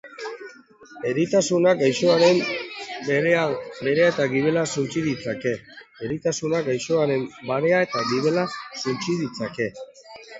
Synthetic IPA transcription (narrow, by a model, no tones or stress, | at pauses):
e̞ɾit̪asunaɡajso̞aɾe̞mbbe̞ɾe̞ae̞t̪aɣiβe̞lasunt͡siðit͡sake̞ːɾit̪asunaɡajʃoaɾe̞mbaɾe̞ae̞t̪aɡiβe̞lasunt͡siðit͡sake̞